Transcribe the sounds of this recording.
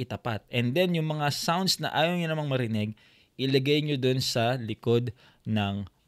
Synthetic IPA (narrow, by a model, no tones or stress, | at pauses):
ɪt̪ɐpa̰t̪̚ʔɛnd̪ɛnjʊŋmɐŋasawnd̪̚snɐ̰ʔaːjowɲonɐmaŋmɐɾɪnɛɡ̚ | ʔɪlɐɡajɲod̪onsɐlɪko̞d̪ | nɐŋ